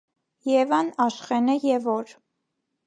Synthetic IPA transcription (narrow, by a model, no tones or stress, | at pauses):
jɛvɑnɑʃχɛnəjɛvɔɾ